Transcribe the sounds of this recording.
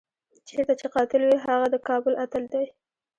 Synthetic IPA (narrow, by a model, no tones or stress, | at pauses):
t͡ʃeɾt̪at͡ʃeqɑt̪ɪlwiɦaɣad̪əkɑbʊlʔat̪əld̪aj